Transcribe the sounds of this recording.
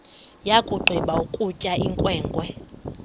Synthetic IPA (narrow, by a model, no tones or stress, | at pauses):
jakʼuɡ͡ǃʱwiɓaukʼucʼaiŋkʼwɛːŋɡʼwɛ